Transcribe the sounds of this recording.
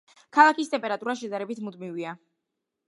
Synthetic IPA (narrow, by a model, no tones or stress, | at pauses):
kʰalˠakist̪ʼɛmpʼɛɾat̪ʼuɾaʃɛd̪aɾɛbit̪ʰmud̪mivia